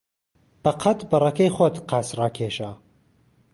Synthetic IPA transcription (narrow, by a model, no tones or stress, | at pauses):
b̥ɐqʰɐt̪bɐrɐkɐjxod̪qʰaːsraːkʰeːʃa